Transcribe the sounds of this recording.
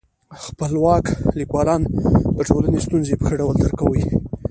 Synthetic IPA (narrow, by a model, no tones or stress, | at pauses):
xpəlwɑklikwɑlɑnd̪əʈʰolanest̪unzepəxəɖawəld̪əɾkawəj